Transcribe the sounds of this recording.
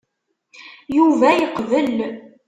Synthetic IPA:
juvæjəqvəl

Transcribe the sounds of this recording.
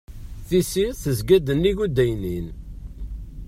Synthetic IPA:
θisiθəzɡæd̪ənːiʝud̪æjnin

